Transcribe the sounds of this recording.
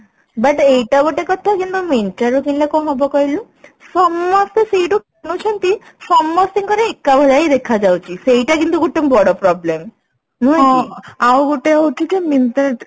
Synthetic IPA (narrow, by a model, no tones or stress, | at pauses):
baʈejʈaboʈekɔt̪ʰakint̪umenʈaɾokinlekɔɦɔbɔkɔjlu | sɔmːɔst̪esejʈuk | not͡ɕʰent̪i | sɔmːost̪iŋkoɾeekːabʱalajd̪ekʰad͡ʑawt͡ɕisejʈakint̪uɡuʈːembɔɽopɾɔblem | nɔɔiawɡoʈeɦot͡ʃʰid͡ʑemint̪aɾneʈ